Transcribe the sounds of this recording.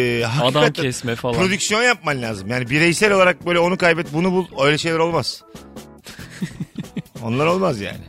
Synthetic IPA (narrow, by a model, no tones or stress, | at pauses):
ɦakad̪aatʰːɛsmɛfapɾo̞d̪ycsjo̞njap̚manlʲaːzɯmjaːnibiɾejsɛlʲo̞lˠaɾak̚bøjlʲɛo̞nukajbɛt̪̚bunubuø̞jlʲɛʃe̞jlʲɛɾo̞lˠmaz̥ | o̞̰nlˠaɾo̞lˠmazja̰ːnɪ̰